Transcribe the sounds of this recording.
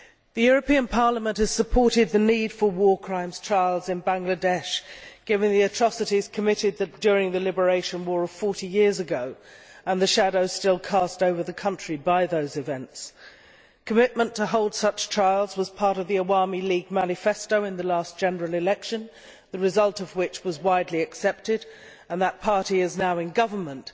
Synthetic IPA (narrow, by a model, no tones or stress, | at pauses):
ðɨjʊɹɨpĩə̃npʰɑɹləmə̃nʔhɨz̥səpʰɔɹɾɪd̪̚ðɨnid̥fə˞wɔɹkʰɹ̥ãɪ̃mz̥tʰɹ̥aɪlˠzɨ̃nbæ̃ŋɡlədɛʃɡ̥ɪvə̃nðiɨtʰɹ̥ɑsɨɾiz̥kʰəmɪɾɪd̪̚ðɨt̚d̥ɔɹɪ̃ŋðɨlɪbə˞eɪʃə̃nwɔɹʌv̥fɔɹɾijɪɹzɨɡoʊə̃nðɨʃæɾoʊz̥stɪlˠkʰɑstoʊvə˞ðɨkʰʌ̃nt͡ʃɹ̥ibaɪðoʊzɨvɛ̃nts | kʰəmɪt̚mə̃ntʰəɦoʊlˠd̥sʌt͡ʃtʰɹ̥aɪlˠzwʌz̥pʰɑɹɾʌvðiəɑɹmiliɡ̚mænɨfɛstoʊɨ̃nðɨlæsd̥ʒ̥ɛnə˞l̩ˠɨlɛkʃɨ̃n | ðɨɹɨzʌlˠtʌvwɪt͡ʃwʌzwaɪdˡliɨksɛp̚tɪɾ | ə̃nðət̚pʰɑɹɾiɨznaʊɨ̃nɡʌvə˞mə̃nt